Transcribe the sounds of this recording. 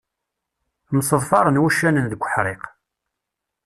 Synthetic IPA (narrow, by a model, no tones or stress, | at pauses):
məsˤəðˤfɑɾˤənwæʃːænənðəkʷːəħɾˤeq